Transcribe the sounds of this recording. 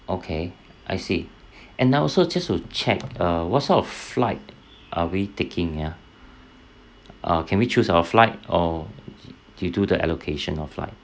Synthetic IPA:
ʔokʰe | ʔaɪsi | ʔɛ̃nːaɔlsod͡ʒastut͡ʃʰɛ̰k̚ʌwɔtsɔtɔfflaɪt̚ | ʔawitekʰɪ̃ŋja | ʔʌ̰kʰɛ̃nwit͡ʃusawəflaɪt̚ɔ | d̥ujududəʔɛ̰lokʰeʃə̃nɔ̰fla̰ɪt̚

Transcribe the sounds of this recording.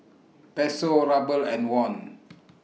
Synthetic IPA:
pɛsoɹabəlɛ̃nwɔ̃n

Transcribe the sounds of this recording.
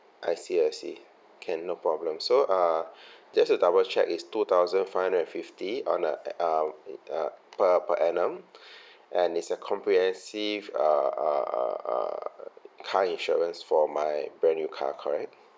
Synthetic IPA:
ʔaɪsiəsḭ | kʰɛ̃nːopʰɹɔblə̃msoʔad͡ʒɛstudabəlt͡ʃʰɛ̰kistut̪ʰaʊzə̃nfaɪhãndəɛ̃nfiftiɔ̰̃nə̰ | pəpəʔɛnə̃m | ʔɛ̃nitsəkʰɔ̃mpɹihɛ̃nsiva̰ | kʰaĩnʃɔɹə̃nsfɔmajbɹɛ̃njukʰa̰kʰɔɹɛk̚

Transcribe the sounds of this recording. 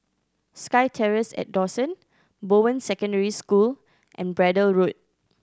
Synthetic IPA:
skaɪtʰɛɹəsɛ̰t̚dɔsə̃n | bowə̃nsɛkə̃ndəɹiskul | ʔɛ̰̃nbɹɛdəlɹut̚

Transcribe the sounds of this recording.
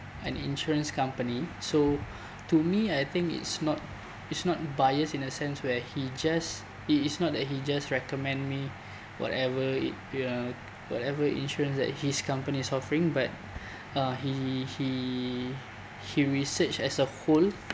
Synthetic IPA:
ɛ̃nḭ̃nʃuɹə̃nskãmpəniso | tumiajt̪ɪ̃ŋkḭtsnɔt̚ | itsnɔt̚bajəsĩnəsɛ̃nswɛhid͡ʒas | itisnɔt̚dɛt̚hid͡ʒasɹɛkɔmɛ̃ndmi | wɔ̰tɛvəit̚ | wɔ̰tɛvəḭ̃nʃuɹə̃nsdɛ̰t̚hiskãmpənisɔfəɹĩŋbat̚ | ãhihi | hiɹisət͡ʃɛsəhol

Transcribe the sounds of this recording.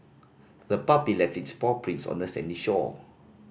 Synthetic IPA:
ðəpabilɛftitspɔpʰɹĩnsɔ̰̃ndəsɛ̰̃ndiʃɔ̰

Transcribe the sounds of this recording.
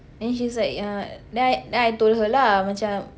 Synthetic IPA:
ɛ̃nʃ̬is̬lakãdɛjdɛajt̪olɦəlamat͡ʃam

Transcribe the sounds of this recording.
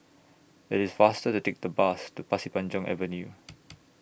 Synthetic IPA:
ɪtɪsfastətutek̚dəbastupasipãnd͡ʒɔ̃ŋʔɛ̰vənju

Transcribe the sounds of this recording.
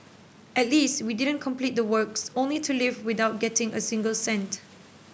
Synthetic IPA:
ʔɛt̚listwidɪdə̃nkʰɔ̃mplit̚dəwɜksõnlitʰulivwɪdaʊt̚ɡɛtɪ̃ŋəsɪ̃ŋɡəlsɛ̃nt

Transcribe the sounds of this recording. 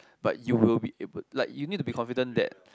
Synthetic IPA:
b̥a̰t̚juwilbiʔebəlaɪkjunid̚tːubikʰɔ̃nfidə̃ndɛ̰t̚

